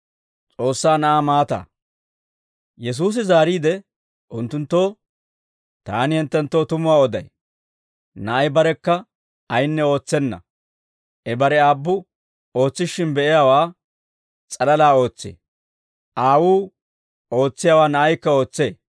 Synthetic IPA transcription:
t͡sʼo̞ːsːaːnɐʔaːmaːt̪a̰ː | jɛs̬uːs̬ɪzaːɾiːd̪ɛ | ʔʊnt̪ːʊnt̪ːo̞ː | t̪aːnɪhɛnt̪ːɛnt̪ːo̞ːt̪ʊmʊwaːɔd̪ɐj | nɐʔɐjbɐɾɛkːɐ | ɐjnːɛo̞ːt͡sːɛnːɐ̰ | ʔɛbɐɾɛaːbːʊ | o̞ːt͡sːɪʃːɪnbɛʔɪjaːwaː | t͡sʼɐlɐlaːo̞ːt͡sːḛː | ʔaːwuː | o̞ːt͡sːɪjaːwaːnɐʔɐjkːɐo̞ːt͡sːeː

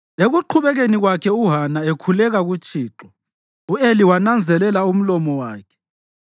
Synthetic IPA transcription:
eɣuǃʰuβɛɣeniɣwakʰɛuɦanaekʰulɛɣaɣut͡ʃʼiːǁɔ | ueliwanand͡zʱɛlɛlaum̩lɔmɔwaːkʰɛ̥

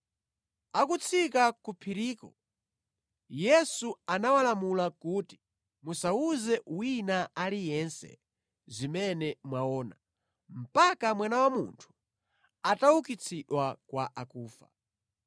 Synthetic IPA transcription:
akut͡sʰikakupʰiɾiːkɔ | jɛsuanawalamulakuːti̥ | musauzɛwinaalijɛnsɛ̰ | zimɛnɛmwaɔːna | m̩pakamwanawamuntʰu̥ | ataukit͡sʰiɗwakwaʔakuːfa

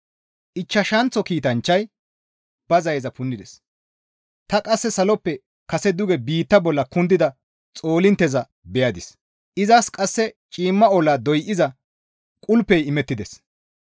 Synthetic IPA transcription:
ʔɪt͡ʃːɐʃɐnt͡sːɔkiːt̪ɐnt͡ʃːɐj | b̥ɐzɐjzɐpʊnːɪd̪ɛs | t̪ɐkʼɐsːɛsɐlɔpːɛ | kɐsɛd̪ʊɡɛbiːt̪ːɐbɔlːɐkʊnd̪ɪd̪ɐ | t͡sʼo̞ːlɪnt̪ːɛzɐ | bɛjɐd̪ɪs | ʔɪzɐskʼɐsːɛt͡ʃʼiːmːɐɔlaːd̪ɔjʔɪzɐ | kʼʊlpːɛjɪmɛt̪ːɪd̪ɛs

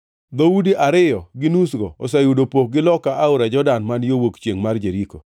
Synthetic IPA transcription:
d̪oudiʔaɾɪjɔɡɪnusɡɔ̰ɔsajudopok̚ɡɪlɔkaʔaʊɾad͡ʒɔdanmanjowokt͡ʃjeŋmard͡ʒeɾiko

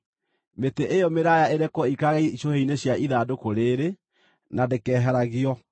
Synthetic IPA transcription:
meteʔejɔmeɾajaeɾɛkɔikaɣɛiiɕoheineɕjaʔiðaːdokoɾeːɾe | nandekɛːɦɛɾaɣiɔ

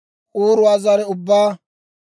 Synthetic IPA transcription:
ʔuːɾʊazɐɾɛʊbːaː

